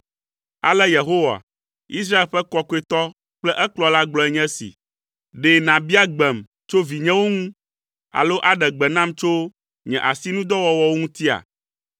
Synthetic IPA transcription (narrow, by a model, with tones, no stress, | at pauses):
a̰˨lɛ˦je˨ɦo˦wa̰˨ | i˦s̬ɾa˦e˨lɸɛ˦kɔ˦ku˦e˨t̪ɔ˦ | k͡plɛ˦ʔɛ˦klɔ˨la˦ɡ͡blɔ˦ɛ˨ɲɛ̃˦sḭ˨ | ɖe˨nã˨bi˦a˦ɡ͡bɛ˨m | t͡ʃo˦vi˨ɲɛ̃˦wo˦ŋũ˦ | a̰˨lo˦ʔa˨ɖɛ˨ɡ͡bɛ˨nã˦˨mt͡ʃo˦ | ɲɛ̰̃˨ʔa˨si˦nũ˦d̪ɔ˦wɔ˨wɔ˦wo˦ŋũ˦t̪i˦a̰˨